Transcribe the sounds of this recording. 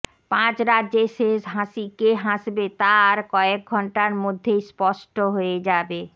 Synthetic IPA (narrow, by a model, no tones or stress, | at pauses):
pãt͡ɕɾad͡ʑeʃeʃɦãʃikeɦãʃbet̪aɾkɔek̚ɡʱɔɳʈaɾmod̪ʱːejspɔʃʈoɦoed͡ʑabe